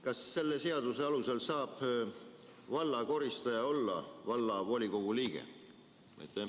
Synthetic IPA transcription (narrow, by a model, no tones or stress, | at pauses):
kɑsːe̞lːe̞se̞ɑd̪use̞ɑluse̞lsɑːb̥ | vɑlːɑko̞ɾist̪ɑjɑo̞lːɑ̰vɑlːɑvo̞ːlʲiko̞ɡ̥uliːɡ̥ḛ | mɑ̰jt̪ːˑe